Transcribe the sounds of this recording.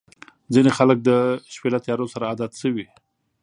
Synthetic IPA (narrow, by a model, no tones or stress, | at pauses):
d͡zinexalək̚d̪əʃpelat̪jɑɾosaɾaːd̪ɑt̪səwi